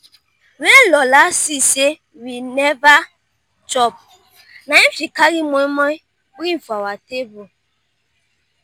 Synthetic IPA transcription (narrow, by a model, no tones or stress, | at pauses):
ɾelɔlasise | wineva | d͡ʒɔb̚ | nafikaɣimomɔi | wiɱ̩fawatebu